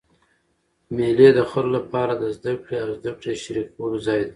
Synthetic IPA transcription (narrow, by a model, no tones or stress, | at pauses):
meled̪əxəɾolapɑɾad̪əzd̪akɽeawzd̪akɽeʃɾik̚wəbzɑjd̪